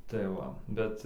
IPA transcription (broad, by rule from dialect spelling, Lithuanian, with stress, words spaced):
tɐɪ ˈʋɐ ˈbʲɛt